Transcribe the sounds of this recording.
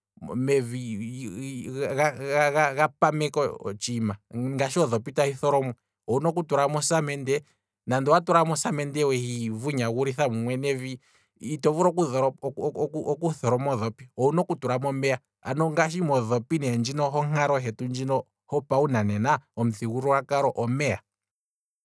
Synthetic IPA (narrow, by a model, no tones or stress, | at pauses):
mɛvi | ɣaaɣaɣapamɛkɔ̰t͡ʃimaŋɡaʃiɔðɔpitahiθɔɾɔmɛ | ɔunɔk̬utuɾamɔsamɛndɛ | nandɔwatuɾamɔsamɛndɛwɛhivuɲaɣuɾiθamuŋwɛnɛviː | tɔvuɾɔkuðɔɾɔuɔkuθɔɾɔmɔðɔpiɔunɔkutuɾamɔmɛa | a̰nɔŋɡaʃ̬imɔðɔpinɛnd͡ʒinɔɦɔŋ̥aɾɔɦɛtund͡ʒinɔ | hɔpaunanɛnaɔm̩θiɣuɾuwakaɾɔʔɔmɛa